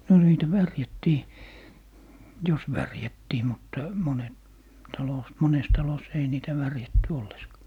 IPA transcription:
no niːtæ ʋærjætːiː jos ʋærjætːiː mutːɑ monet tɑlos mones tɑlos ei niːtæ ʋærjætːy olːeskɑ

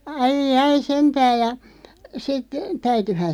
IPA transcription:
ɑijɑi sentæːj̆ jɑ sit tæytyhæn̞

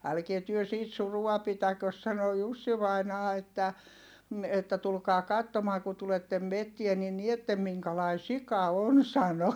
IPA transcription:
ælkie tyø siːt suruɑ pitækøs sɑno jusːi ʋɑinɑː etːæ m̩ etːæ tulkɑː kɑtːomɑː ku tuletːem metːie ni nietːem miŋkɑlɑi sikɑ on sɑno

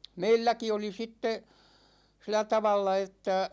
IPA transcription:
meilːæki oli sitːe silæ tɑʋɑlːɑ etːæ

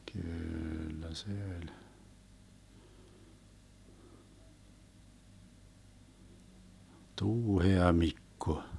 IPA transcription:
kyːlːæ se ølʲ tuːheɑmikːo

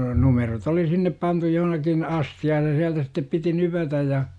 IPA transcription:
numerot oli sinːep pɑntu johnɑkin ɑsthiɑːj jɑ siæltæ sitːep piti nypætæj jɑ

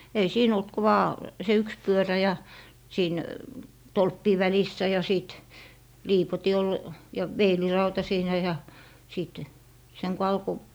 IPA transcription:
ei siːn olt ku ʋɑː se yks pyøræ jɑ siːn tolpːiː ʋælisːæ jɑ siˑt liːpoti ol jɑ ʋeilirɑutɑ siːnæ jɑ siˑt seŋ ko ɑlko

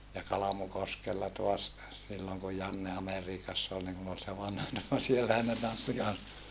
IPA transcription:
jɑ kɑlɑmukoskelːɑ toɑs silːoŋ ku jɑnːe ɑmeriːkɑsː ol niŋ kun ol se ʋɑnhɑ ni no sielːæhæn ne tɑnsːi kɑns

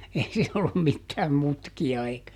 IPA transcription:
ei siːn olːum mitːæːm mutkiɑ eikæ

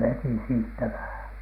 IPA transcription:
ʋeti siːtːæ ʋæhæn̥

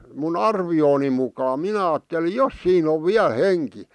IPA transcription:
mun ɑrʋioːni mukɑː minæ ɑːtːeli jos siːn oʋ ʋiæl̆ henki

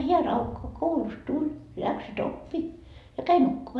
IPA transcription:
hiæ rɑukːɑ koulust tulʲ læksyt opːi jɑ kæi nukːumɑ

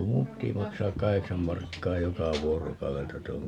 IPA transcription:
ku mum pːiti mɑksɑːk kɑheksɑm mɑrkːɑː jokɑ ʋuorokɑueltɑ tuoŋ

